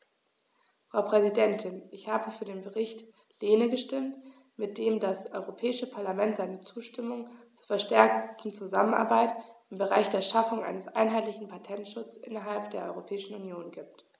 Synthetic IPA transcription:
fʁ̥aʊpʁ̥ɛzidɛntʰɪnʔɪçhaːbəfyːɐdeːnbəʁɪçt | leːnəɡəʃtɪmt | mɪt̚d̥eːmdasʔɔʏʁopʰɛːɪʃəpʰaɐlamɛntz̥aɪnət͡suːʃtɪmʊŋt͡suːɐfɛɐʃtɛɐk̚tn̩t͡suzaməna̰ɐbaɪtʔɪmbəʁaɪçd̥eːɐʃafʊŋʔa̰ɪnəsʔa̰ɪnɦaɪtlɪçn̩pʰatʰɛntʃʊt͡sʔɪ̰nɐɦalpd̥eːɐʔɔʏʁopʰɛːɪʃn̩unjoːnɡiːp̚t

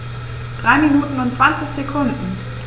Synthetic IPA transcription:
d̥ʁaɪminuːtn̩ʊntt͡sv̥ansɪçsekʰʊndn̩

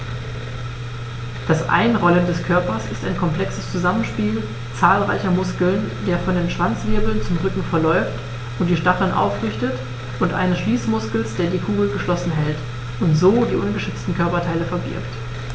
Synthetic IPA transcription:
d̥asʔa̰ɪnʁɔləndɛskʰœɐpɐsɪstaɪnkʰɔmpl̥ɛksəst͡suzamənʃpiːl | t͡saːlʁa̰ɪçɐmʊskl̩ndeːɐfɔndeːnʃv̥ant͡sv̥ɪɐbl̩nt͡sʊmʁʏkŋ̩fɛɐlɔʏft | ʔʊnt̚d̥iːʃtaχl̩nʔa̰ʊfʁɪçtət | ʔʊntʔa̰ɪnəsʃliːsmʊskl̩sd̥eːɐdiːkʰuːɡl̩ɡəʃlɔsn̩ɦɛlt | ʊntz̥oːdiːʔʊnɡəʃʏt͡stn̩kʰœɐpɐtʰaɪləfɛɐbɪ̰ɐpt

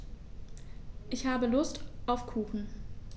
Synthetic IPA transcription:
ʔɪçhaːbəlʊstʔaʊfkʰuːxn̩

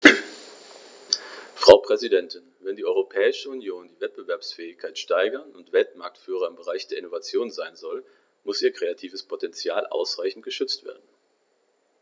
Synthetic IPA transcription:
fʁ̥aʊpʁ̥ɛzidɛntʰɪnvɛndiːʔɔʏʁopʰɛːɪʃəunjoːndiːvɛt̚b̥əvɛɐpsfɛːɪçkʰaɪtʃtaɪɡɐnʊntv̥ɛltmaɐk̚tfyːʁ̞ɐɪmbəʁaɪçd̥eːɐɪnovat͡sjoːnzaɪnzɔl | mʊsʔiːɐkʁ̥eatʰiːvəspʰotɛnt͡sjaːlʔa̰ʊsʁaɪçn̩tɡ̥əʃʏt͡stv̥ḛːɐdn̩

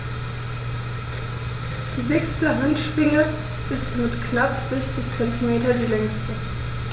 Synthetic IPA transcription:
d̥iːzɛkstəɦantʃv̥ɪŋə | ʔɪstmɪtkʰnapz̥ɛçt͡sɪçt͡sɛntʰimeːtɐdiːlɛŋstə

